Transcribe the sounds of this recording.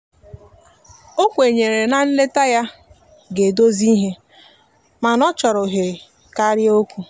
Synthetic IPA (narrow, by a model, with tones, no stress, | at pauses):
o˦kʷe˨ɲe˨ɾe˨na˨n̩˦le˦ta˦ja˦ | ɡe˨do˦zi˦ɦe˦ | ma˨nɔ˦t͡ʃɔ˨ɾʊ˨ɦe˨ | ka˦ɾjo˦kʷu˦